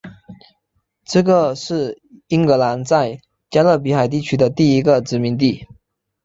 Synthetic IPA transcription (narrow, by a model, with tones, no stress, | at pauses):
ʈ͡ʂɤ˥˩ɡə˧˨ʂɻ̩˥˩ | i˥ŋkɤ˧˥la˧˥nt͡sa˥˩ɪ | t͡ɕja˥lɤ˥˩p̬i˧˥xa˨˩ɪt̪̬i˥˩t͡ɕʰy˥d̪ə˨t̪i˥˩i˧˥ɡə˧˨ʈ͡ʂɻ̩˧˥mi˧˥ŋt̪̬i˥˩